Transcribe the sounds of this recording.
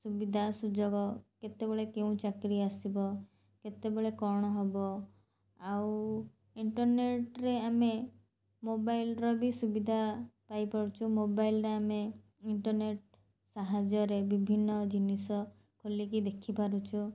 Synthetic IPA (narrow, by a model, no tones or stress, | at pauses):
subid̪ʱasud͡ʒɔɡɔket̪ebeɭekeũt͡ʃakɾiasibɔ | ket̪ebeɭekɔɽ̃ɔɦebɔ | aw | iɳʈɔɾneʈɾeame | mobajlɾɔbisubid̪ʱapajpɔɾut͡ʃʰumobajlɾeame | iɳʈɔɾneʈ | saɦad͡ʒɔɾebibʱinːɔd͡ʒinisɔ | kʰolikid̪ekʰipaɾut͡ʃʰu